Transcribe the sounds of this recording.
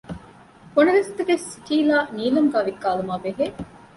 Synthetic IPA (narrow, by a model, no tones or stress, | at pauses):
konɐʋest̪eʋesːiʈiːlaːniːlɐmɡaːʋikːaːlumaːbeɦeː